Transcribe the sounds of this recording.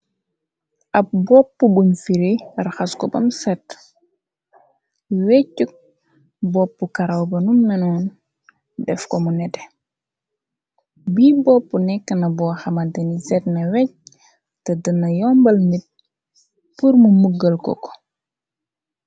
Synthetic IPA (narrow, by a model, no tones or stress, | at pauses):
ʔɐp̚bɔpːubunfiɾiraxɐskɔbɐ̰msɛtː | wɛcːuk̚ | bɔpːukɐɾɐwbɐnumnɐnɔːn | dɛfkɔmunɛtɛ | biːbɔpːunɛkːənɐbɔːxɐmɐdɐnisɛtnɐwɛc̚ | tɐdənːɐjɔmbɐlmit̚ | purmumuɡːəlkɔ̰kɔ̥